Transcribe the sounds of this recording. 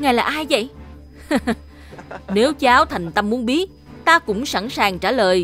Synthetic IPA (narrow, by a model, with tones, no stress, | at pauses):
ŋaː˨˩jlaː˨˩ʔaː˧jvə̰˧˨j | ne˨˦wt͡ɕaː˨˦wt̪ʰa˨˩jŋ̟t̪ə˧mmu˨˦ənɓi˦˥ət̚ | t̪aː˧kʊ̰˧˥ŋ͡msa˧˥nsaː˨˩ŋt͡ɕaː˧˩ləː˨˩j